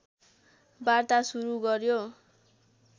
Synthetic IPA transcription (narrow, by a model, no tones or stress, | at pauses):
bart̪asuɾuɡʌrjo